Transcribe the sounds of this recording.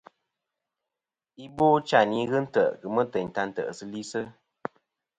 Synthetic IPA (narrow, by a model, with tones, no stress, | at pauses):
i˦boː˦t͡ʃa˦˨ni˨˦ɣɨ˦n̩˦tə˦˨ʔkɨ˨mə˦tə˨ɲ˨ta˧n̩˦tə̰˨ʔsɨ˦li˦sɨ˦